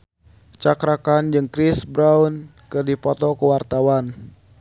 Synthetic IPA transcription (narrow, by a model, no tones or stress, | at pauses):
t͡ʃakɾakand͡ʒɨŋkɾisbɾaun | kɨrdipɔt̪ɔkəwart̪awan